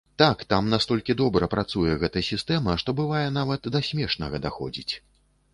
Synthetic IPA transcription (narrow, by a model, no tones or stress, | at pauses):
t̪akt̪amnast̪ɔlʲkʲid̪ɔbɾɐpɾat̪sujɛɣɛt̪ɐjsʲist̪ɛmɐʂt̪ɔbɨvajɛnavɐt̪ːɐsʲmʲɛʂnɐɣɐd̪axɔ̰d͡zʲit͡sʲ